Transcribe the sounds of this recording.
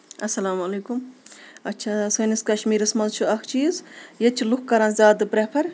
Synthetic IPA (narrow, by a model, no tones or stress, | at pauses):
ɐsɐlaːmɐleːkumɐtːt͡ʃʰasɐniskɐʃmiːɾɐsmɐnzt͡ʃʰuɐkʰt͡ʃʰiːzjet͡ʃʰilukkːɐɾaːnzʲaːd̪ɨpɾepʰɐɾ